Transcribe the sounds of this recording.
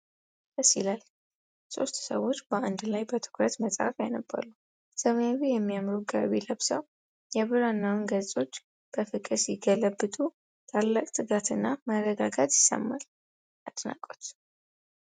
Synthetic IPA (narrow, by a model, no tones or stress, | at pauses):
bəsilal | so̰st̪səwo̞t͡ʃːbəʔand̪lajbət̪ʰɨ̥kɾət̪məsʼa̰fjanəbːə̰lu | səmaβijɛmːijamɾuɡa̰βeləβsəw | jɛβɨɾanːawnɡət͡sʼo̞t͡ʃː | b̥əfɨkʼɨsjɪɡələbːɨt̪ʼu | t̪ʰalːakʼt̪ʼɨɡat̪ʰɨnːamərːəɡaɡat̪jɪsːə̰mːal | at̪ʼna̰kʼot̪